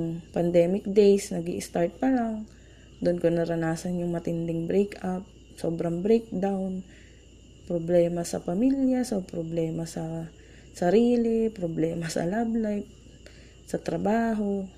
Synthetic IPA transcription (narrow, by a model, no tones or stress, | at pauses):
ŋpɐnd̪ɛːmɪk̚d̪ejsnɐɡḭʔɪst̪aɹt̪̚pɐlaŋ | d̪ʊnkonɐɾɐnaːsɐnjʊŋmɐt̪ɪnd̪ɪŋbɾejkap̚ | soːbɾɐŋbɾejk̚d̪awn | pɾoblɛːmɐsɐ̰pɐmiljasopɾoblɛːmɐsɐ | sɐɾiːlɪpɾoblɛːmɐsɐ̰lablajp̚ | sɐt̪ɾɐbaːɦo̞